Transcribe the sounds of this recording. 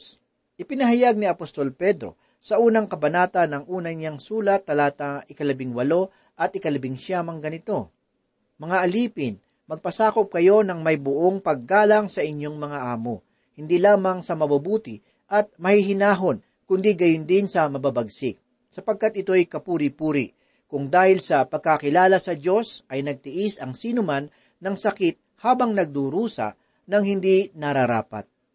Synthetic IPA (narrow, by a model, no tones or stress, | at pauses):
ʔɪpɪnɐɦɐjaɡ̚niɐpost̪o̞lpɛd̪ɾo̞̰ | sɐʔuːnɐŋkɐbɐnaːt̪ɐnɐŋʔuːnɐɲaŋsuːlɐt̪̚ːɐlaːt̪ɐŋʔɪkɐlɐbɪŋwɐlo̞ | ʔɐt̪̚ʔɪkɐlɐbɪŋʃamɐŋɡɐnɪt̪o̞ | mɐŋaʔɐliːpɪn | mɐɡ̚pɐsaːko̞p̚kɐjo̞nɐŋmɐjbʊʔoŋpɐɡ̚ːaːlɐŋsɐʔɪɲjo̞ŋmɐŋaʔaːmo | hɪnd̪ilaːmɐŋsɐmɐbɐbuːt̪ɪ | ʔɐt̪̚mɐhiɦɪnaːɦo̞n | kʊnd̪iɡɐjʊnd̪ɪnsɐmɐbabɐɡsɪk̚ | sɐpɐɡ̚kat̪̚ʔɪt̪o̞jkɐpuːɾɪpuːɾɪ | kʊŋd̪aːhɪlsɐpɐɡ̚kakɪlaːlɐsɐd͡ʒo̞sʔɐjnɐɡ̚t̪ɪʔisɐŋsiːnʊmanː | ɐŋsɐkɪt̪̚haːbɐŋnɐɡ̚d̪uɾuːsɐ̰ | nɐŋhɪnd̪inɐɾɐɾa̰ːpɐ̰t̪̚